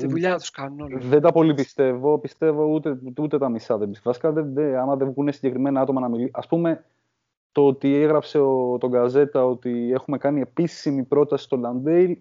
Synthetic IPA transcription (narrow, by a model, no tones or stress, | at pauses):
t̪iðuʎɐt̪u̥skɐnoðe̞nd̪ɐpo̞lipist̪e̞vo̞pist̪e̞vo̞ut̪eut̪e̞t̪ɐmisɐðebisvɐsi̥kɐðeðeɐmɐðevɣune̞siɲɟe̞kɾime̞nɐɐt̪o̞mɐnɐmiliʔɐspume̞ | t̪oot̪ieɣɾɐpse̞ot̪o̞ŋɡɐze̞t̪ɐo̞t̪ie̞xume̞kɐnie̞pisimipɾo̞t̪ɐsi̥st̪o̞lɐnd̪eil